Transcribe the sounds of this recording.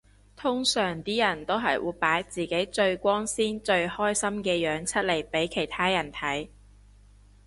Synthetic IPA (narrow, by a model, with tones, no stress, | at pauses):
t̪ʰʊ˥ŋsœː˨˩ŋt̪iː˥jɐ˨˩nt̪o˥wɦɐ˨jwuː˨˧jpaː˨˥jt͡siː˨ke˨˥jt͡ʃɵ˧ɥkʷɔː˥ŋsiː˥nt͡ʃɵ˧ɥhɔː˥jsɐ˥mkɛː˧jœː˨˥ŋt͡sʰɐ˥t̚le˨˩jpe˨˥jkʰe˨˩jt̪ʰaː˥jɐ˨˩nt̪ʰɐ˨˥j